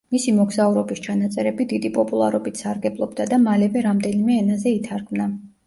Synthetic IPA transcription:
misimɔɡzauɾɔbist͡ʃʰanat̪sʼɛɾɛbid̪id̪ipʼɔpʼulˠa̰ɾɔbit̪ʰsaɾɡɛblˠɔbd̪ad̪amalɛvɛɾamd̪ɛnimɛːnazɛit̪ʰaɾkʰmna

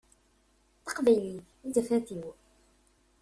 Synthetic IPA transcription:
θɑqvæjli | nd̪əfæθiw

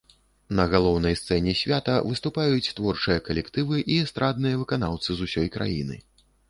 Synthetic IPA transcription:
nɐɣalˠɔwnɐjst̪sɛnʲɛsʲvʲat̪ɐvɨst̪upajut͡sʲt̪vɔrt͡ʂɨjɐkɐlʲɛkt̪ɨvɨʔist̪ɾad̪nɨjɐvɨkanawt̪sɨzusʲɔjkɾa̰jḭnɨ̰

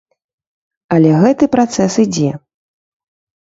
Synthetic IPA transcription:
ɐlʲɛɣɛt̪ɨpɾat̪sɛsɨd͡zʲɛ

